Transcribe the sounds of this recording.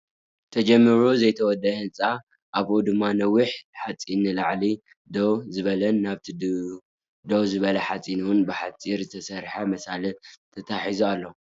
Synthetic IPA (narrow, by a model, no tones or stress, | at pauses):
t̪ʰɐd͡ʒɐmːɨɾuzɐjt̪ʰɐwɔd̪ːɐhɨnt͡sʼa | ʔaβʔod̪ɨmːanɐwiħħat͡sʼinɨlaʕli | d̪owzɨβɐlɐnːaβt̪ʰi | d̪owzɨβɐlɐħat͡sʼinuwʊnbɨħat͡sʼiɾzɨt̪ʰɐsɐɾħamɐsalɐt̪ʰɐt̪ʰaħizualːo